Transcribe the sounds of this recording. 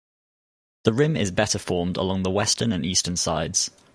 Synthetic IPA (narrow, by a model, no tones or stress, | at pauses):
ðəɹɪ̃mɪ̰zbɛtəfɔːmdə̰lɒ̃ŋðəwɛstənə̃nʔiˑstənsa̰ɪdz̥